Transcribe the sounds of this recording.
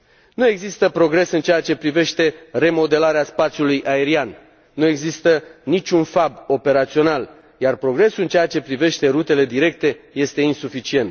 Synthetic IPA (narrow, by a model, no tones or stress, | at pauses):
nue̞ɡzist̪əpɾo̞ɡɾe̞sɨnt͡ʃeat͡ʃe̞pɾive̞ʃt̪e̞re̞mo̞d̪e̞laɾeaspat̪sjulujʔae̞ɾian | nue̞ɡzist̪ənit͡ʃʲunfabo̞pe̞ɾat̪sio̞nal | jarpɾo̞ɡɾe̞sulɨnt͡ʃeat͡ʃe̞pɾive̞ʃt̪e̞ɾut̪e̞le̞d̪iɾe̞k̚t̪e̞je̞st̪e̞insufit͡ʃie̞nt̪